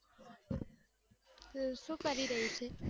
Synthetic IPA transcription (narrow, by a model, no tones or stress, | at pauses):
ʃũːkəɾiɾəɦut͡ʃʰe